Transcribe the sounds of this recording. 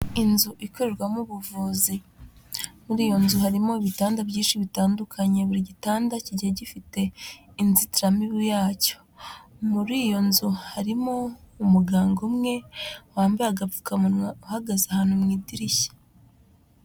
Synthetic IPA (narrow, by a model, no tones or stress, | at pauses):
inzuʔikoɾe̞ɾɡwamuβuvuːzi | muɾiːjo̞nzuɦaɾimo̞iβitaːndabɟiːnʃiβitaːndukʰaɲe̞βuɾiɟitaːndaciɟaɟifite̞inzitiɾamiβijaːco̞̥muɾiːjo̞nzuhaɾimoumuɡaːŋɡo̞mŋe̞waːmbaaɡavukauuhaɡazeahaːn̥humŋiːdiɾiçe̥